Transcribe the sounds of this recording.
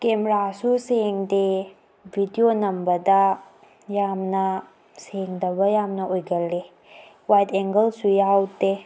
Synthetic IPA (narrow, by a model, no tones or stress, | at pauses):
kemɾasuseŋde | bʱidionɐmbɐdɐ | jamnɐ | seŋdɐbɐjamnɐʔojɡɐlːe | wajteŋɡɐlsujawte